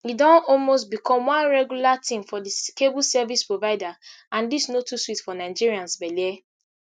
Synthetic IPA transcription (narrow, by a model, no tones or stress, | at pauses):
idɔ̃ɔlmost̚bikʰɔ̃mwãnɹɛɡjulatʰĩmfɔdikebusɛvispɹovaɪda | ãndisnotuswitfɔnaɪd͡ʒiɾiãnsbɛlie